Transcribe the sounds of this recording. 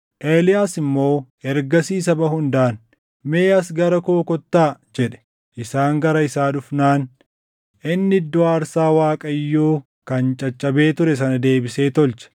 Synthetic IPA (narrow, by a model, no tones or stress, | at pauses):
ʔeːlɪjaːsɪmːo̞ː | ɛɾɡɐsiːsɐbɐhʊnd̪aːn | me̞ːɐs̬ɡɐɾɐkoːkɔt̪ːaːd͡ʒɛᶑɛ̥ | ʔɪsaːŋɡɐɾɐɪsaːᶑʊfnaːn | ɪnːɪd̪ːɔaːɾsaːwaːkʼɐjːoː | kɐnt͡ʃʼɐt͡ʃʼːɐbe̞ːt̪ʊɾɛs̬ɐnɐd̪e̞ːbɪse̞ːt̪ɔlt͡ʃɐ̥